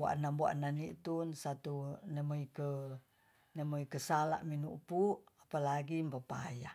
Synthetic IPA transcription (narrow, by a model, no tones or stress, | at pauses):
bua̰ʔnambua̰nanit̪unsat̪unemoikə | nemoikəsala̰ʔminuʔpuapalaɡimpapa̰ja